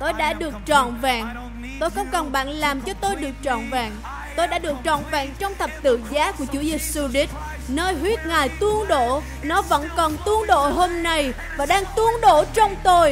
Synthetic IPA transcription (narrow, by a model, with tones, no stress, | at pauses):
t̪o˧jɗa̰ː˧˥ɗɨ˨˩ək̚t͡ɕɔ̰˧˨nvaː˨˩ŋ | t̪o˧jxɔ˨˦wŋ͡mkɔ˨˩nɓa̰ː˧˨nlaː˨˩mt͡ɕɔ˧t̪o˧jɗɨ˨˩ək̚t͡ɕɔ̰˧˨nvaː˨˩ŋ | t̪o˧jɗa̰ː˧˥ɗɨ˨˩ək̚t͡ɕɔ̰˧˨nva̰ː˨ŋt͡ɕɔ˧wŋ͡mt̪ʰə˨˩p̚t̪ɨ̰˧˨zaː˨˦ku˧˩ət͡ɕu˧˦zï˨˩k̚su˧ɗi˦˥t̚ | nəː˧jɦwi˦˥ət̚ŋaː˨˩jt̪ɨ˧əŋɗo̰˧˩˨ | nɔ˨˦və̰˧˥nkɔ˨˩nt̪ɨ˧əŋɗo̰˧˨ɦo˧mna˧j | vaː˨˩ɗaː˧ŋt̪ɨ˨˦əŋɗo̰˧˥t͡ɕɔ˧wŋ͡mt̪o˧j